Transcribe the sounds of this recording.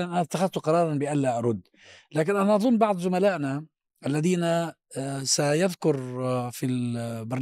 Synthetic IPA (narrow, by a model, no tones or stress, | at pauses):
lanʔanat̪ːaxaðt̪ʊqɑɾˤɑːɾˤɑnbɪʔalːaʔɑɾˤʊd̪ː | laːkɪnʔanaʔɑðˤʊnːbɑʕd̪ˤzʊmalaːʔna | ʔalːaðiːna | sajaðkʊɾfilbɑɾn